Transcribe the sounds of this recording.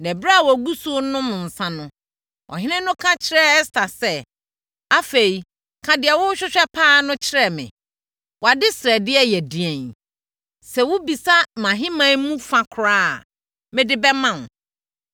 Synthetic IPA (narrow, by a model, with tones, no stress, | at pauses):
nɛ̃˨bɾa˦a˨wɔ˨ɡu˦su˦nʊ̃˦mʊ̃˨n̩˨sã˦nʊ̃˦ | ʔɔ̰˨ɦɪ̃˦nɪ̃˦nʊ̃˦kʰã˦t͡ɕʰɪ˦ɾɛ˦st̪a˨sɛ˦ | a˦fe˨ɾi˨ | kʰã˨dɪ˨ɛ˨wʊ˦ɕᶣɪ˦ɕᶣɛ˦pʰaː˦nʊ̃˦t͡ɕʰɪ˦ɾɛ˨mɪ̰̃˨ | wɔ˨a˨dɪ˦sɛ˨dɪ˦ɛ˦jɛ˨di˨ɛ̃˨n | sɛ˨wʊ˦bi˨sa˦mã˨ɦɪ̃˦mã˦mũ˦fã˨kʰɾaː˦˨ | mɪ̃˦dɪ˦bɛ˦mã˦˨n˨